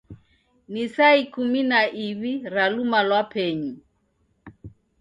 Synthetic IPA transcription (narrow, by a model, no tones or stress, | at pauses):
nisaikuminaʔiβiɾalumalwapʰɛɲi